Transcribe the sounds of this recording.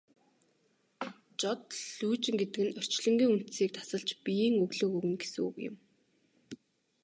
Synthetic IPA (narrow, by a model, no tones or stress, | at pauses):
t͡ɕɔt̪̚ɮuːt͡ɕɪ̆ŋɡet̪ɘ̆kɘ̆nœr̥t͡ɕɮɞ̆ŋɡʲiːŋun̥t̪siːk̚t̪ʰḁsə̆ɮt͡ɕpijiːŋɵɣɮɵ̆ːkuɣɘ̆nɡe̥suṵɣjɪ̰̆m